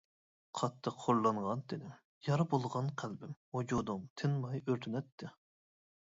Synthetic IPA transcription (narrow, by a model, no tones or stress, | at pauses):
qʰɑt̪ʰːəqʰːoɾlˠɑɴʁɑnt̪ʰɪnɪm | jɑɾɨbolˠʁɑnqʰælbɪmod͡ʒod̪umt̪ʰɪnmɑjøɾt̪ʰynɛt̪ʰːɪ